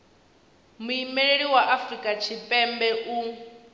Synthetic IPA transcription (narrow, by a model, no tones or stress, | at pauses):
muimɛɺeɺiwaʔafrikʼat͡ʃʰipʼɛmbɛʔu